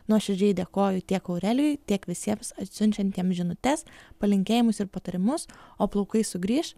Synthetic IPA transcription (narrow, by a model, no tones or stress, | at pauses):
nuɔʃʲɛd͡ʒʲɛɪd̪ʲeːkoːjʊt̪ʲiɛkɐʊɾʲɛlʲʊjt̪ʲiɛkʋʲɪsʲiɛmsɐt̪ʲsʲʊnʲt͡ʃʲɛnʲt̪ʲiɛmsʒʲɪnʊt̪ʲɛspɐlʲɪŋʲkʲeːjɪmʊsɪɾpɐt̪ɐɾʲɪmʊsoːplˠɔʊkɐɪsʊɡɾʲiːʃ